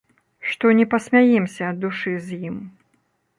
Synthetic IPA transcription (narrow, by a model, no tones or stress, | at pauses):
ʂt̪ɔnʲɛpɐsʲmʲajimsʲɐːd̪uʂɨzʲjim